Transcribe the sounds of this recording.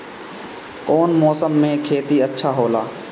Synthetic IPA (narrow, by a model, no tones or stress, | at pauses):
kɔːnmɔːsəmːẽkʰeːt̪iɐtːʃʰaɦoːlaː